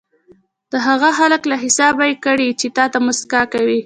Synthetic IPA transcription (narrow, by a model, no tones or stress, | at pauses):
d̪̥əɦaɣaxaləklaɦɪsɑbajkəɽit͡ʃet̪ɑt̪amʊskɑkawi